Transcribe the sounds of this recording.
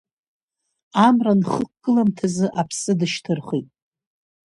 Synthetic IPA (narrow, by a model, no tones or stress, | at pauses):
amranχəkkːʼɨlamtʰazɨʔapʰsɨdɨʃtʰɨrχitʼ